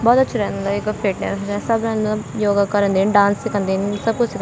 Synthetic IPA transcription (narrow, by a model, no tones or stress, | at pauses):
bɔːt̪ətːt͡ʃʰːɾɛːnd̪aɪkpʰeːʈɛ̰ɾɛsəbɾɛːnd̪ajoːɡaːkəɾə̃nd̪eːnɖãːnssɪkʰə̃nd̪eːnsəb̚kʊt͡ʃsɪk